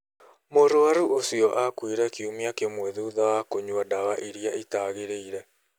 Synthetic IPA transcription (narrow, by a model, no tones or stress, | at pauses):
moɾoaɾuosiɔʔakwiɾɛkiumiakemwɛðuːðawakoɲwadawaʔiɾiaitaɣeɾeiɾɛ